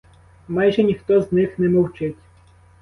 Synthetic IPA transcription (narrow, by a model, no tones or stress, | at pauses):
mɑjʒɛnʲixt̪ɔznɪxnɛmɔwt͡ʃɪtʲ